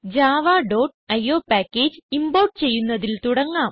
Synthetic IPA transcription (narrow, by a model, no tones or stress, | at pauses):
d͡ʑaːʋaːɖo̞ːʈɐjːo̞ːpaːkːeːd͡ʑɨimbɐwʈɨt͡ɕe̞jːunːɐðilt̪uɽɐŋːaːm